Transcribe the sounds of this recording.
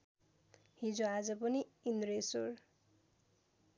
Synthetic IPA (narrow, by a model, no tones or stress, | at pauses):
ɦĩd͡zoad͡zʌpʌniindresor